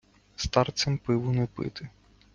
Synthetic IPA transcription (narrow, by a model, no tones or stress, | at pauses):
st̪ɑrt̪sʲɛmpɪʋʊnɛpɪ̰t̪ɪ